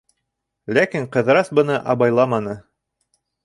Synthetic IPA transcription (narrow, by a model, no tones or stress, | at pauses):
lækiɴqɤ̆ðɾɑsbɤ̆nɤʔɑβɑjlˠɑmɑnɤ